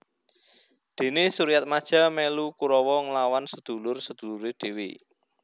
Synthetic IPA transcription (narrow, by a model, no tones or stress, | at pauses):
d̪̥e̤nesuɾijat̪̚mad̥ʒ̥ä̤mɛlukuɾɔwɔŋəlawansəd̪̥ṳlʊrsəd̪̥ṳluɾeɖ̪̥e̤wḛ